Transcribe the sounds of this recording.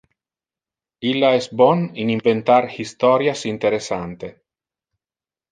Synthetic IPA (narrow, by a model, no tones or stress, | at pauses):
ilːaɛsbɔniniɱvent̪aɾhist̪ɔɾjasint̪eɾesant̪e